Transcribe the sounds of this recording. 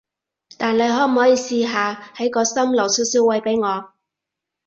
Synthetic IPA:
t̪aː˨nle˨˧jɦɔː˨˥m̩˨˩hɔː˨˥jiː˧siː˧ɦaː˨˧hɐ˨˥jkɔː˧sɐ˥mlɐ˨˩wsiː˨˥wsiː˨˥wɐ˨˧jpe˨˥jŋɔː˨˧

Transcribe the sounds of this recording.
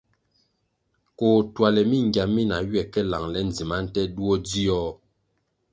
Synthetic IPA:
koː˨twa˨lɛ˨mi˦˨ŋ˨ɡja˨mi˦na˨ɥɥɛ˨kɛ˦la˨ŋlɛ˦n̩˨d͡zi˨ma˦n̩˦tɛ˦du˦o˦d͡zi˦ɔ˦

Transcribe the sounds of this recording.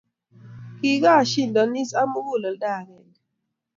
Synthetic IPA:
ki˨ka˦˨ʃi˦˨ndɔ˨ni˦sa˦mu˦ɡo˦˨lɔ˨lda˦˨kɛ˨nd

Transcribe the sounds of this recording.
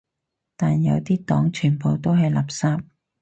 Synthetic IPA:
t̪aː˨njɐ̰˨˧wt̪iː˥t̪ɔː˨˥ŋt͡ʃʰyː˨˩npo˨˧wt̪o˥wɦɐ˨˧jlaː˨p̚saː˥p̚

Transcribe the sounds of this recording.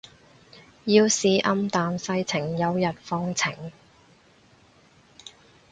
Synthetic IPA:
jiː˧wsiː˨˧ʔɐ˧mt̪aː˨nsɐ˧jt͡sʰɪ˨˩ŋjɐ˨˧wjɐ˨t̚fɔː˧ŋt͡sʰɪ˨˩ŋ

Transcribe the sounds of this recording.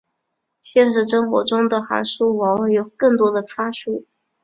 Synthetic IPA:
ɕjɛ˥˧nʂɻ̩˥˩ʂɤ˥ŋxwɔ̰˧˥ʈ͡ʂʊ˥ŋd̪ə˨xa̰˧˥nʂu˥wɑ˧˥ŋ˥˩jo˨˩ʊkɤ˥˩ŋt̪wɔ˥d̪ə˨t͡sʰa˥ʂu˥˩

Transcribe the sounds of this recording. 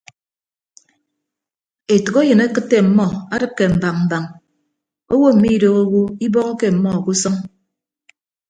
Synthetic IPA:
e˨tu˨ko˦jɨ˨ne˦kɨ˦tːe˦m̩˨mɔ˦a˦dɨ˦p̚ke˨m̩˨ba˨ŋm̩˨ba˨ŋ | o˦wo˦m̩˨mi˦i˦do˨ɣo˦wu˦i˦bɔ˦ɣɔ˦ke˦m̩˨mɔ˦˨ku˦sɔ˦ŋ

